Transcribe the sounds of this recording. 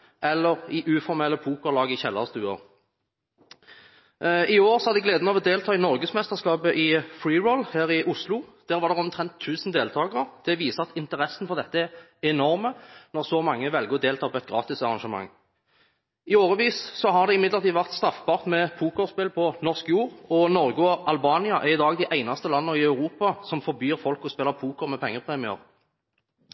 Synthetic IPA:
ʔɛlːəʁɪʔʉːfɔʁmɛlːəpʰuːkɔlɑːɡəɪçɛlːɑst̪ʉːə̰ʁ | ɪoːɾsɔhɑd̪əɡleːd̪nɑʋɔd̪eːlt̪ʰɑːɪnɔʁɡəsmɛst̪əʁskɑːpəʔɪfɾiːʁɔlhæːʁɪʔʊslʊd̪̥æːʁʋɑːʁd̪ɛʁɔmt̪ʰʁɛnt̪ʰːʉːsnd̪eːlt̪ʰɑːɡəʁəʁd̪̥ɛʋiːsəɑt̪ɪnt̪əʁɛsːn̩fɔʁd̪ɛt̪ːəæʁ | ɛnɔʁmənɔʁsɔmɑŋːəʋɛlɡəʁɔd̪eːlt̪ʰɑːpʰɔɛt̪ɡʁɑ̰ːt̪ɪsɑʁɑnʃəmɑ̰ŋː | ɪoːʁəʋiːssɔɦɑʁd̪ɛɪmɪd̪ləʁt̪iːʋæʁt̪st̪ʁɑfbɑːʁt̪mɛpʰuːkɔʁspɛlpʰɔnɔʁskjuːʁɔnɔʁɡʊɔʔɑlbɑːnɪɑʔæʁɪd̪ɑːɡd̪ɪʔæɪnɑst̪əlɑnːəɪɑʉʁuːpɑsɔmfɔɾbjyːʁfɔlkɔspeːləpʰuːkɔʁmɛpʰɛŋːəpʰʁeːmɪə̰ʁ

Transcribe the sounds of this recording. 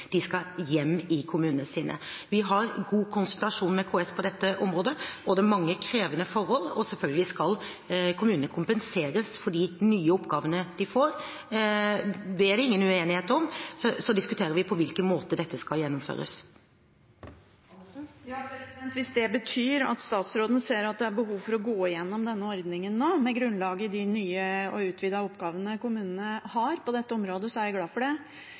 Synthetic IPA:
d̪̥ɪskɑjɛmːɪkʰʊmʉːnənəsiːnʔə̰ʋɪɦɑɾɡuːkʰʊnsʉlt̪ɑʂuːnmɛkʰoːɛspʰɔd̪ɛt̪ːəʔɔmɾoːd̪əɔd̪ɛmɑŋːəkʰɾeːʋənəfɔɾhɔlɔ̰sɛlfœlɡəlɪskɑl | kʰʊmʉːnəkʰʊmpənseːɾəsfɔɖinyːəɔpːɡɑːʋənəd̪̥ɪfoːɾ | d̪ɛæɖ̪ɛɪŋːənʉeːnɪheːt̪ɔmsɔsɔd̪ɪskʉt̪ʰeːɾəɾʋɪpʰɔʋɪlkənmoːt̪əd̪ɛt̪ːəskɑjɛnːɔmfø̰ːɾə̰s | ɾɛnt̪ʋɪsd̪ɛbət̪ʰyːɾɑ̰t̪st̪ɑːt̪sɾoːd̪ənəseːɾɑt̪̚d̪ɛæɾbəɦuːʋfɔɾɔɡoːɪjɛnːɔmd̪ɛnːəɔɾd̪nɪŋənnoːmɛɡɾʉnlɑːɡəd̪ɪnyːəɔʉːt̪ʰʋiːd̪ɑʊpːɡɑːʋənəkʊmʉːnənəhɑɾpɔd̪ɛt̪ːəɔmɾoːd̪əsɔæɾjæɡlɑːfɔɖɛ

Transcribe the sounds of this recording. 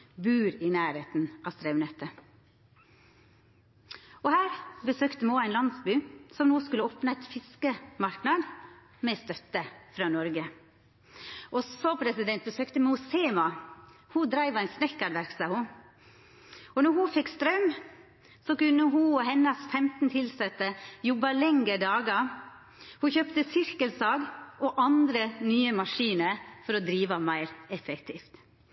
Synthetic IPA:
bʉːɾɪnæːɾheːt̪n̩ʔɑst̪ɾœʉmnɛt̪ːə | ɔhæːɾbəsøːkt̪əmɛoːæɪnlɑnsbyːsɔmnoːskʉləoːpnəɛɪt̪fɪskəmɑɾknɑd̪ | mɛst̪œt̪ːəfɾɑːnɔɾɡə | ʔɔsɔpʰɾɛsɪd̪ɛnt̪̚bəsøːkt̪əmʊseːmɑhud̪ɾæɪʋɑæɪnsnɛkːɑɖʋæɾksɑhʊ | ɔnɔɾhufɛkst̪ɾœm | sɔkʉnːəɦuhɛnːɑsfɛmt̪n̩t̪ʰɪlsɛt̪ːəjɔbɑlɛŋɡəɖɑːɡɑ | huçœpt̪əsɪɾkəlsɑːɡʔɔʔɑnd̪ɾənyːəmɑʂiːnəɾfɔɾɔd̪ɾiːʋɑmæɪɾɛfɛkt̪ʰiːft̪

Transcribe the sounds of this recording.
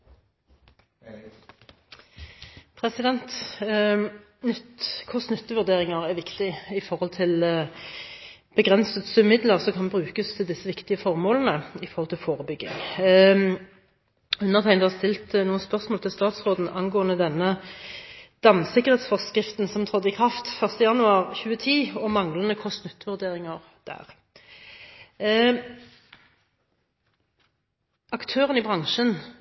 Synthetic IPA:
pʰʁɛsɪd̪ɛnt̪ | nʏt̪kʰʊsnʏt̪ːəʋʉʁd̪eːʁɪŋɑʁæʁʋɪkt̪ɪɪfɔʁhɔlt̪ʰɪl | b̥əɡʁɛnsət̪sʉmɪd̪ləʁsɔkʰɑnbʁʉːkəst̪ʰɪld̪ɪsːəʋɪkt̪ɪəfɔʁmoːlnəɪfɔʁhɔlt̪ʰɪlfoːʁəbʏɡːɪ̰ŋ | ʉnːəʁt̪ʰæɪnd̪hɑʁst̪ɪlt̪nuːənspœʁsmoːlt̪ʰɪlst̪ɑːt̪sʁoːd̪n̩ɑŋɡoːənəd̪ɛnːə | d̪̥ɑmsɪkːəʁheːt̪sfɔʁskʁɪft̪n̩sɔmt̪ʰʁɔd̪ːɪkʰʁɑft̪fœʁst̪əjɑnʉɑːʁçʉːət̪ʰiːɔmɑŋlən̩əkʰɔst̪nʉt̪ːʋʉʁd̪eːʁɪŋəʁ | d̪̥æ̰ːʁ | ɑkt̪ʰøːʁənibʁɑŋʃən

